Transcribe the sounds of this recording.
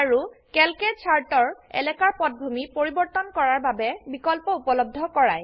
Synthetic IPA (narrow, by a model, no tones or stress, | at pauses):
aɹukɛlkesʰaɹtɔɹɛ̰lɛkaɹpɔt̚bʱumipoɹibɔɹt̪ɔnkɔɹaɹbabɛbikɔlpɔupɔlɔb̚dʱɔkɔɹaj